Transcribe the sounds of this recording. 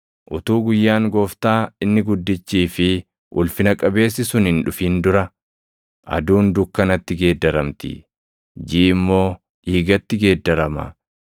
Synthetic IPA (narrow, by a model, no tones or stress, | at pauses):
ʔʊt̪uːɡʊjːaːŋɡoːft̪aːɪnːɪɡʊd̪ːɪt͡ʃːiːfɪ | ʔʊlfɪnɐkʼɐbe̞ːs̬ːɪsʊnhɪnᶑʊfiːnd̪ʊɾɐ | ʔɐ̰d̪uːnd̪ʊkːɐnɐt̪ːɪɡe̞ːd̪ːɐɾɐmt̪ɪ̰ | d͡ʒiːɪmːo̞ː | ʔiːɡɐt̪ːɪɡe̞ːd̪ːɐɾɐmɐ̰